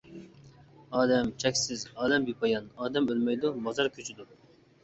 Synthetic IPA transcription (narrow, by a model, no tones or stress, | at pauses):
ɑːd̪ɛmt͡ʃʰɛkʲsɪzɑːd̪ɛmbipʰɑjɑnɑːd̪ɛmølmɛjd̪umɑzɑɾkʲʰøt͡ʃʰyd̪u